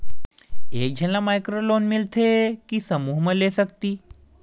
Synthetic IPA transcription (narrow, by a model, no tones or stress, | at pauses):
ek̚d͡ʑʱənlamajkɾolonmilt̪ʰekisəmuːɦməlesək̚t̪iː